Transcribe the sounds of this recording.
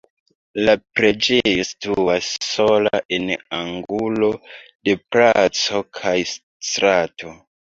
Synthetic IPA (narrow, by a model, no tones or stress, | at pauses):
lapɾe̞d͡ʒe̞jo̞stuasːo̞la̰ʔe̞naŋɡulo̞de̞plat͡so̞kʰajs | tɾatʰo̞